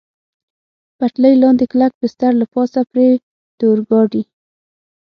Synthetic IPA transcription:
paʈləjlɑnd̪eklak̚bɪst̪aɾlapɑsapɾe | d̪̥oɾɡɑɖi

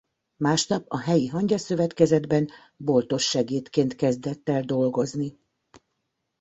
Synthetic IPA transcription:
maːʃnɒpɒɦɛjiɦɒɲɟɒsø̞vɛt̪kɛzɛd̪bɛn | bo̞lt̪o̞ʃːɛɡeːt̪keːnt̪kɛzd̪ɛt̪ːɛld̪o̞lɡo̞zni

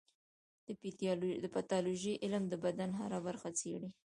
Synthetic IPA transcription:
d̪̥əp̪d̪əpat̪ɑloʒiʔɪlmd̪əbad̪anɦa̰ɾabaɾxat͡seɽi

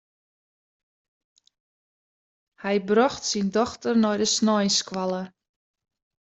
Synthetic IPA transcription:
hɛjbrɔxtsindɔxtərnɔjdəsnɔjskwalˠə

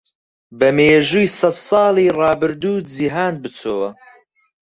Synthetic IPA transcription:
bɐmeːʒuːjsɐd̪sˤɑːlˠiːrɑːbɨɾd̪uːd͡ʒiɦaːnbɨt͡sʰoːwɐ

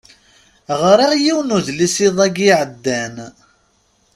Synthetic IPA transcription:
ʁɾæjiwnuðlisiðˤæɡiʕəd̪ːæn

